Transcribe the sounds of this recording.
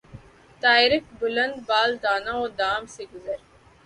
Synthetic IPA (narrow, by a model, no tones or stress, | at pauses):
t̪aːɪɾɪkbʊlɐ̃nd̪baːld̪aːnãoːd̪aːmseɡʊzəɾ